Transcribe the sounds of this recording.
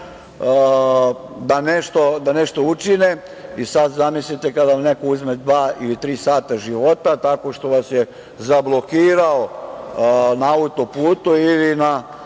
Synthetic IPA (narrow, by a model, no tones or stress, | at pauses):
d̪aneʃt̪o̞d̪ane̞ʃt̪o̞ut͡ʃine | isad̪zamislit̪e̞kad̪amne̞kouzmed̪ʋaːilit̪ɾiːsaːt̪aʒiʋo̞t̪at̪ako̞ʃt̪o̞ʋasje | zablˠo̞kiːɾao | naaut̪o̞puːt̪uilina